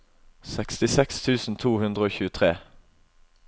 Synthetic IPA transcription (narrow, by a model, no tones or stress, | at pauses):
sɛkst̪ɪsɛkst̪ʰʉːsn̩t̪ʰuːhʉnd̪ʁəoːçʉːət̪ʰʁeː